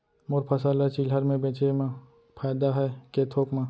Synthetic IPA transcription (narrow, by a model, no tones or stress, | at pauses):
moɾpʰəsaːlat͡ʃilɦəɾmẽbẽːt͡ʃem | pʰaːjd̪aɦɛkeːt̪ʰoːkmãː